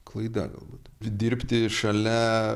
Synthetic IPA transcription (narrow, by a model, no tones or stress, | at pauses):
kʰlˠɐɪd̪ɐ̰ɡɐ̰lˠbuːt̪d̪ʲɪɾʲpʲt̪ʲɪʃɐlʲɛ